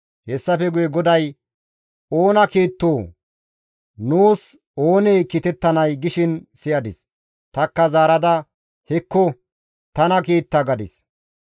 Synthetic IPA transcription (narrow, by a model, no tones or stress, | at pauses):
hɛsːɐfɛɡʊjɛɡɔd̪ɐj | oːnɐkiːt̪ːoː | nuːs | o̞ːneːkɪt̪ɛt̪ːɐnɐjɡɪʃɪnsɪjɐd̪ɪs | t̪ɐkːɐzaːɾɐd̪ɐ | hɛkːɔ | t̪ɐnɐkiːt̪ːɐɡɐd̪ɪs